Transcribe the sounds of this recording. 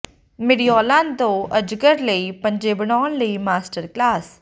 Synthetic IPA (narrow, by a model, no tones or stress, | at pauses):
mɪɽijɔːlãːnt̪õːʔəd͡ʒɡəɾləiːpəɲd͡ʒeːbəɽaːɳləiːmaːsʈəɾklaːs